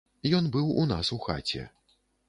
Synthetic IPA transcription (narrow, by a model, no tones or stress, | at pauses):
jɔnbɨwunasuxa̰t͡sʲɛ̰